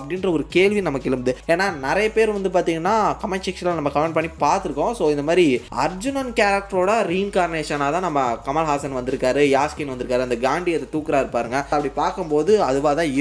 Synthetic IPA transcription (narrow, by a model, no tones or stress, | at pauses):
ɐpːɐɽɪnɾɐɔɾɯkeːɭʋinɐmːɐkːɪɭɯmd̪ɯeːnːaːnɪɾɐjɐpeːɾʋɐnd̪ɯpaːɾt̪iːŋɡɐnːaːkɐmɛnsɪkslanɐmːɐkɐmɛɳʈpɐɳːipaːɾt̪ɯɾɯkːõsoːɪnd̪ɐmaːd̪ɾiɐ̰ɾd͡ʒʊnɐnkaːɾɐk̚ʈɐɾoːɽɐɾiɪnkaːɾneːʂɐnaːt̪ãːnɐmːɐkɐmaːlɦaːsɐnʋɐnd̪ɯɾɯkːaːɾɯjaːskinʋɐnd̪ɯɾɯkːaːɾɯɐnd̪ɐɡaːɳɖiɐt̪ːɐt̪uːkːɯɾaːɪɾɯpːaːɾɯŋɡɐɐpːɐɽipaːɾkɯmpoːðɯɐðɯʋaːt̪ãːɪ